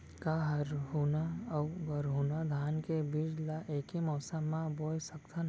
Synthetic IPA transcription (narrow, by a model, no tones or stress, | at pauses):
kaɦɐɾɦunawɡɐɾɦunad̪ʱaːnkebid͡ʒlaʔeːkemɔːsamːãboːjsɐkt̪ʰən